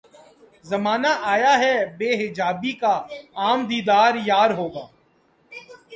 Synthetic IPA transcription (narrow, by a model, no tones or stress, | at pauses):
zɐmaːnaʔaːjaɦɛbeːɦɪd͡ʒaːbikaaːmd̪iːd̪aːɾjaːɾɦoːɡaː